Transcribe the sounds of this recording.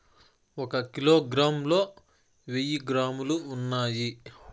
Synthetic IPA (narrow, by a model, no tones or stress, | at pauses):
ɔkɐkiloːɡɾaːmlo̞ː | ʋejiɡɾaːmuluːnːaːji